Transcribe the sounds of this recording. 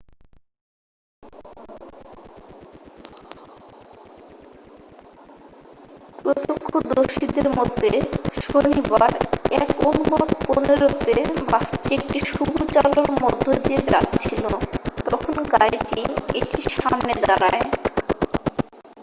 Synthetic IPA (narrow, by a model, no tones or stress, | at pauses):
pɾot̪okʰːod̪oʃid̪eɾmod̪ʱːeʃonibaɾɛkonuboɾponeɾot̪ebaʃtiek̚ʈiʃubut͡ɕaloɾmod̪ʱːod̪ied͡ʑa̰tːɕʰilot̪ɔkʰonɡajʈieʈiʃamned̪aɾae